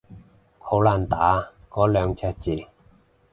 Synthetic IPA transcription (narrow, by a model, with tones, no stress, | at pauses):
ho˨˥wlaː˨˧nt̪aː˨˥ | kɔː˨˥lœː˨˧ŋt͡sʰɛː˧˥t̚t͡siː˨˧˩